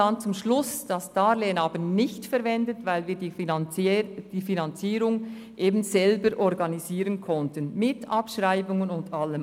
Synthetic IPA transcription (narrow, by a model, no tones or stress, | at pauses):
ɑnt͡sʊmʃlʊsd̥ɑsd̥ɑːɾleːnɑːbənɪçtfɛɾvɛndətvaɪlviːdi | d̥iːfinɑnt͡siːɾʊŋ | ʔeːbn̩z̥ɛlbəɾʔɔʁɡɑniziːʁənkʰɔntənmɪtʔɑpʃʁaɪbʊŋənʊndɑlːəm